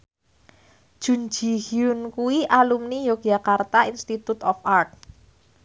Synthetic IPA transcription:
d̥ʒ̥ṳnd͡ʒi̤hiʊnkuwiʔalumnijoɡ̥akart̪ainst̪it̪ut̪ɔfart̚

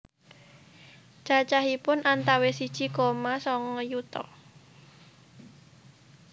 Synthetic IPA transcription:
d͡ʒ̥at͡ʃaɦipʊnʔant̪awesid̥ʒ̥ikomasɔŋɔjut̪ɔ̰

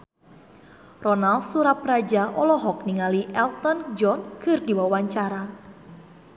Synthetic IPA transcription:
rɔnalsuɾaprad͡ʒaʔɔlɔɦɔkniŋaliʔɛlt̪ɔnd͡ʒɔnkʰɨrdiwawaɲt͡ʃaɾa

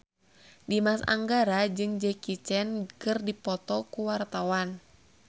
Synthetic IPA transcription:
dimasa̰ŋɡaɾad͡ʒɨŋd͡ʒɛkit͡ʃɛnkɨrdipɔt̪ɔkuwart̪awan

